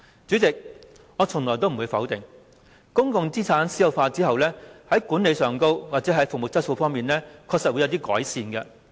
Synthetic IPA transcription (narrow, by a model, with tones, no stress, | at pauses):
t͡syː˨˥t͡sɪ˨k̚ | ŋɔː˨˧t͡sʰʊ˨˩ŋlɔː˨˩jt̪o˥wm̩˨˩uː˨˧jfɐ˨˥wt̪ɪ˨˩ŋ | kʊ˥ŋkʊ˧ŋt͡siː˥t͡sʰaː˨˥nsi˨˥jɐ˨˩wfaː˧t͡siː˥hɐ˨wlɛː˥hɐ˨˥jkuː˨˥ne˨˧jsœː˨˩ŋko˥wwaː˨t̚t͡sɛ˨˦˥ɦɐ˨˥jfʊ˨k̚mo˨˩t͡sɐ˥t̚so˧wfɔː˥ŋmiː˨nlɛː˥kʰɔː˧k̚sɐ˨t̚wu˨˧jɐ˨˧wt̪i˥kɔː˨˥jsiː˧nɡɐ˧